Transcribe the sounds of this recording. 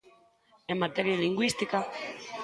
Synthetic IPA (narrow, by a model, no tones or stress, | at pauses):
emat̪eɾialiŋɡwist̪ika